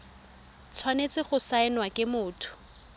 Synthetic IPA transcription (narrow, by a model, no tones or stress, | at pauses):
t͡sʰwanet͡sɪχʊsaɪnwakʼɪmʊːtʰʊ̥